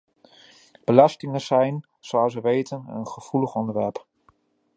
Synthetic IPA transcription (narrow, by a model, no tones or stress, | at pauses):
b̥əlɑstɪŋəzɛjn | soɑwsəʋejtənə̰nχəv̥uləχɔndəɹʋɛɹp